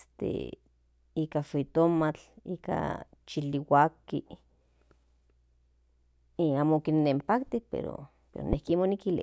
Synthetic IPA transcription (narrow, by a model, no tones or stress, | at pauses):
st̪ḛ | iːkafit̪omat͡ɬiːka̰ | t͡ʃiliwaki | aːmokinːempakt̪ihpḛɾo̰ | pḛɾo̰nehkimonikilḭ